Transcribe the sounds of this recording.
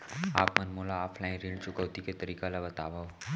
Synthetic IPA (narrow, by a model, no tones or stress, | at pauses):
a̰pmənmolaːfʰlaĩnɾiɳɖt͡ʃʊkəʋt̪iket̪əɾikalaʋət̪aʋa